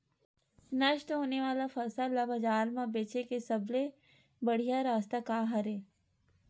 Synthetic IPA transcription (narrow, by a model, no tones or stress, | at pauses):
nɐʃt̪ɦoːneʋaːlafɐɾsalabɐd͡ʒaːɾmãbeːt͡ʃekesɐble | bɐɽ̤ijaɾaːst̪akaɦɐɾeː